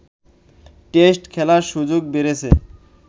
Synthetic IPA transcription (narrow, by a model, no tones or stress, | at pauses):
ʈesʈkʰɛlaɾʃud͡ʑoɡ̚beɾet͡ɕʰḛ